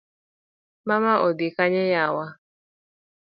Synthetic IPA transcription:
mamaʔodikaɲɛjawa

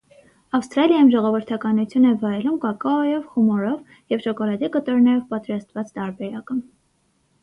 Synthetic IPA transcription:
ɑfst̪ɾɑljɑjumʒɔʁɔvəɾt̪ʰɑkɑnut͡sʰjunɛvɑjɛlumkɑkɑjɔvχumɔɾɔv | jɛvʃɔkɔlɑd̪ikət̪ɔɾnɛɾɔvpɑt̪ɾɑst̪vɑt͡st̪ɑɾbɛɾɑkə

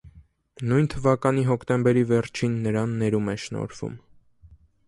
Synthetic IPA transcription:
nujnt̪ʰəvɑkɑniɦɔkʰt̪ɛmbɛɾivɛɾt͡ʃʰinːəɾɑnːɛɾumɛʃnɔ̰ɾv̥ṵm

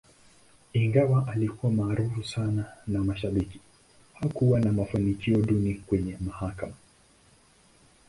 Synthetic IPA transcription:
iŋɡawaʔalikuwamaːɾufusananamaʃaɓiki̥ | hakuwanamafanikiɔɗunikwɛɲɛmahakama

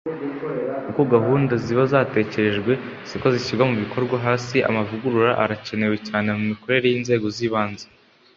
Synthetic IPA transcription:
ukoɡaɦuːndaziβazaːte̞ːce̞ɾe̞ʒɡwe̞ | siko̞ziʃiɾɡwamuβikʰo̞ɾɡwaɦaːsiʔa̰mavuɡuɾuɾaʔaɾace̞ne̞we̞caːne̞mumiko̞ɾe̞ɾe̞jiːnze̞ːɡo̞ziːβaːnzḁ

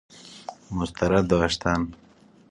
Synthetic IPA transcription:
mʊst̪ɐɾad̪ɔːʃt̪an

